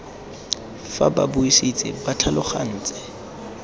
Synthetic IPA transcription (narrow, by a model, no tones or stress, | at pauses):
faba̰bʊisit͡sʼɪbatʰalʊχan̩ːt͡sʼɪ̥